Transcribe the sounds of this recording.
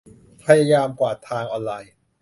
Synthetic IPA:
pʰa˧jaː˧jaː˧mkwaː˨˩t̪ʰaː˧ŋʔɔː˧nlaː˧j

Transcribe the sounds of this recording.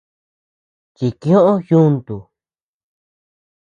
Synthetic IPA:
t͡ʃi˧kĩ˦õ˦ʔõ˦jũ˦nt̪u˨

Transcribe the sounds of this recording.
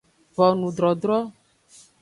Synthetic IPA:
vɔ˨nũ˨ɖ̪ɾɔ˨ɖɾɔ˦

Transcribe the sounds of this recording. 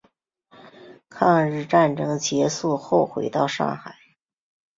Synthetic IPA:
kʰɑ˥˧ŋɻɻ̩˥˧ʈ͡ʂa˥˩nʈ͡ʂɤ˥ŋt͡ɕjɛ˧˥su˥˧xo˥˩ʊxwḛ˧˥ɪt̪ɑ˥˧ʊʂɑ̰˥˩ŋxa˨˩˦ɪ

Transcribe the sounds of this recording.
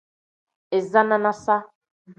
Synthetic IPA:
e˨za˦nã˦na˦sa˦˨

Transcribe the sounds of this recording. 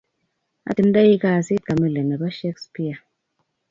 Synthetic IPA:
a̰˦ti˧˦n˦da˦ji˦ka˦˨si˦t̚ka˨mɛ˦lɛ˨mɛ˨ba˦ʃɛ˦kspi˦a˨

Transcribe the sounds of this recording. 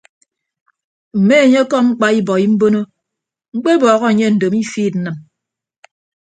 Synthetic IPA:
m̩˨me˦e˨ɲe˦kɔ˦ŋ͡m̩˦k͡pa˦i˦bɔ˨i˦m̩˦bo˦no˦ | ŋ͡m̩˦k͡pe˦bɔː˨ɣɔ˦e˨ɲe˦n̩˨do˨mi˦fiː˦˨t̚n̩˨˦nɨ˨m

